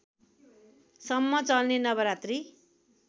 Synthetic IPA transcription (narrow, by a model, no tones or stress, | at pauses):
sʌmːʌt͡sʌlnenʌβʌɾat̪ri